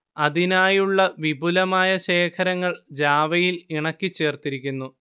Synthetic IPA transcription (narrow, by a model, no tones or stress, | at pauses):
ɐðinaːjuɭːɐʋibʱulɐmaːjɐɕe̞ːkʰɐɾɐŋːɐɭd͡ʑaːʋɐjiliɳɐkːit͡ɕːe̞ːrt̪iɾikʲːunːu